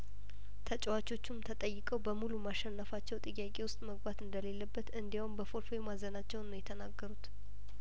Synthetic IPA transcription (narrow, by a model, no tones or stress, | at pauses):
t̪ʰət͡ʃʼwat͡ʃːo̞t͡ʃːumt̪ʰət̪ʼəjːɪkʼəwbəmulumaʃɛnːəfat͡ʃːɛwt̪ʼɨjːakʼe̞wʊst̪ʼməɡbat̪ɨnd̪əle̞lːəbːət̪ɨnd̪iwaʊmbəfo̞ɾfemazənat͡ʃːɛwnnojɛt̪ʰənaɡːəɾut̪